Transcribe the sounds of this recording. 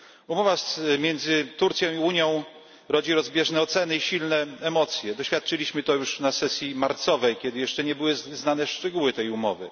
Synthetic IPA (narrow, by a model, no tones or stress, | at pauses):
umɔvamʲjɛnd̪zɘt̪uɾt̪sʲjɔ̃w̃iuɲjɔ̃w̃ | ɾɔd͡ʑiɾɔzbʲjɛʐnɛɔt̪sɛnɘiɕilnɛɛmɔt̪sʲjɛd̪ɔɕfʲjat̪̚t͡ʂɘlʲiɕmɘt̪ɔjuʂnasɛsʲjimaɾt̪sɔvɛjkʲɛd̪ɘjɛʂt͡ʂɛɲɛbɘwɘznanɛʂt͡ʂɛɡuwɘt̪ɛjumɔvɘ̰